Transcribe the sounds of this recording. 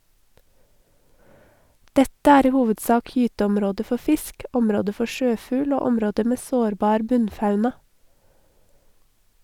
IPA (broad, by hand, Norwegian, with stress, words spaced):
ˈdɛtə ˈæːɾ ˈiː ˈhuːʋədˌsɑːk ˈjyːtəɔmˌɾoːdə ˈfɔ ˈfɪsk ˈɔmɾoːdə ˈfɔ ˈʃøːˌfʉːl ˈoː ˈɔmɾoːdə ˈmeː ˈsoːɾˌbɑːɾ ˈbʉnˌfɑʉnɑ